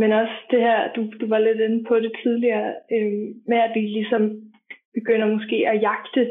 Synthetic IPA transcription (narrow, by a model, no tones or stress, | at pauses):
menɒ̽sd̥e̝ɦæɐ̰d̥ud̥uʋɑ̈le̝d̥en̩pʰɒ̽ɾ̥e̝t͡sʰið̞ˠliɐːømeæd̥ʋilisɒ̽m | b̥e̝ɡ̥øn̰ɐmɒ̽sɡ̥e̝̰ːæjɑ̈ɡ̥̚d̥ə